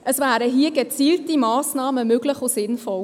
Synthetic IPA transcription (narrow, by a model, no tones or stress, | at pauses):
ʔəsvæːɾəɦiːəɡət͡siːltimɑːsnɑːməmøɡləχosɪnfɔl